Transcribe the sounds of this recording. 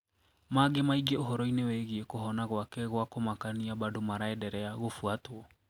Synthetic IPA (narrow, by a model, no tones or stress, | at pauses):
maɡemaiɡeoɦɔɾɔinewɛɣiekoɦɔnaɣwakɛɣwakomakaniabadomaɾaɛdɛɾɛaɣofuatwɔ